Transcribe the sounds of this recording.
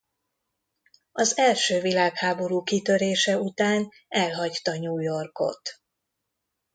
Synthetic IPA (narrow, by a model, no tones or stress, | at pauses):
ɒzɛlʃøːvilaːkhaːbo̞ɾuːkit̪ø̞ɾeːʃɛut̪aːn | ɛlɦɒct̪ɒɲuːjo̞rko̞̰t̪